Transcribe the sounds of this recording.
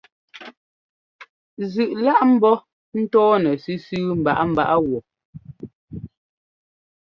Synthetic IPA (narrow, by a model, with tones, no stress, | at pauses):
zʉ˨ʔla˦ʔm̩˦bɔ˦ | n̩˦tɔː˦nɛ˨si˦sʉː˦m̩˨ba̰˨ʔa˦m̩˦˨ba˦ʔa˦ɣwɔ˨